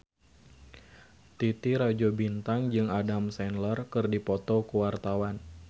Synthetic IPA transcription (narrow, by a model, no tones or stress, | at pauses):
t̪it̪iɾad͡ʒɔbint̪aŋd͡ʒɨŋadamsɛnlərkɨrdipɔt̪ɔkuwart̪awan